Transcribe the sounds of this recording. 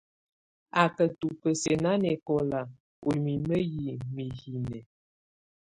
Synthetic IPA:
a˨kə˨tu˨pə˨se˨na˦nɛ˨kɔ˦la˨ | o˨mi˨mə˦ji˨mi˨hi˨nɛ˨

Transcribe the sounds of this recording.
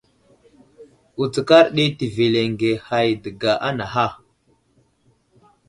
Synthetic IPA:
u˨t͡sə˨ka˦ɾɗi˦ti˨ve˨le˨ŋɡe˨ha˨jdə˨ɡa˨ʔa˦na˨ɦa˦˨

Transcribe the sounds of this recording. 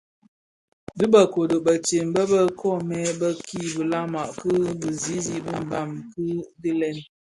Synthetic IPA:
dɨ˦bə˨ko˨do˨bə˨t͡ʃe˨m˨bə˦bə˦kʰɔ˦˨mɛ˦bə˦kʰi˦˨bə˨la˦ma˨ʔkə˦bə˨zi˦zi˦bi˦m̩˨ba˨mkɨ˦di˦lɛ˦˨n

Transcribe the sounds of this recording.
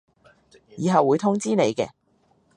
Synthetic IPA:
jiː˨˧ɦɐ˨wuː˨˧jt̪ʰʊ˥ŋt͡siː˥ne˨˧jkɛː˧

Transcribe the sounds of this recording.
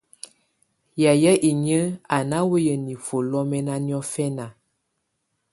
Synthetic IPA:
ja˨jə˦ʔi˨ɲə˦a˨na˦wə˦jə˨ni˨fo˨lɔ˦mɛ˦na˦njɔ˦fɛ˦na˨

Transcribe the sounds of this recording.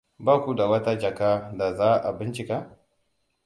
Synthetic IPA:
baː˦kʷu˦da˨wɐ˦ta˦d͡ʒɐ˨kaː˦da˨zaː˦ʔa˨bɪ˦nt͡ʃɪ˨ka˦

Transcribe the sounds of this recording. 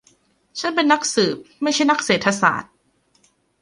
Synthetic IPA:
t͡ɕʰa˦˥npe˧nːa˦˥k̚sɯː˨˩p̚ma˥˩jt͡ɕʰa˥˩jna˥k̚seː˨˩t̪ʰːa˧sa̰ː˨˩˦t̪̚

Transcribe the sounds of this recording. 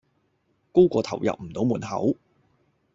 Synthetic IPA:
ko˥wkʷɔː˧t̪ʰɐ̰˨˩wjɐ̰˨p̚m̩˨˩t̪o˨˥wmuː˨˩nhɐ̰˨˥w

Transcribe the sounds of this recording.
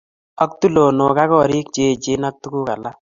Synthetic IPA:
ɔ˦k̚tu˦lo˨no˨ka˦kɔ˦ɾi˦k̚t͡ʃe˦˨t͡ʃe˦na˦k̚tu˦ku˦ka˨la˦

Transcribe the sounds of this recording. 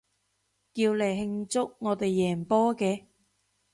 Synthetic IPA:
ki˧wle˨˩ɦɪ˧ŋt͡sʊ˥k̚ŋɔː˨˧t̪e˨jːɛː˨˩npɔː˥kɛː˧

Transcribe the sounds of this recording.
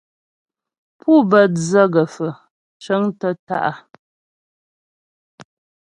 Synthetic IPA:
pu˦bə˦˨td͡zə˦ɡə˨fə˨ | t͡ʃə˨˦ŋtə˦ta̰˦ʔa˨

